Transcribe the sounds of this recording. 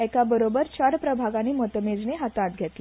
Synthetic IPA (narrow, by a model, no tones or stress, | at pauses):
ɛkabəɾobəɾt͡ɕaɾpɾəbʱaɡaniːmət̪med͡zneɦat̪ãt̪̚ɡʱet̪le